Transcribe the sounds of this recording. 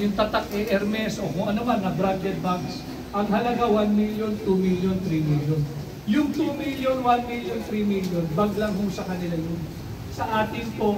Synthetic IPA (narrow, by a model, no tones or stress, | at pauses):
jʊŋt̪ɐt̪ak̚ʔɛʔɛɾmɛsʔokʊŋɐnomanŋɐd̪ɾaɡɛt̪̚baŋks | ʔɐŋhɐlɐɡawanmiljont̪umiljont̪ɾimiljon | jʊŋt̪uːmiljonwanmiljont̪ɾimiljonbɐɡlɐŋɦʊsɐkɐnɪlajon | sɐʔaːt̪ɪŋp̪o